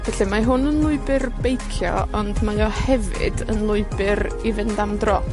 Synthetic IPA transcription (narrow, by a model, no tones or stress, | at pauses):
vɛɬimaɦʊnənlˠʊɨbɨrbejkʰjɔ̰ɔndmajɔhɛvɪ̰dənlˠʊɨbɪɾ | ivɪndamdrɔ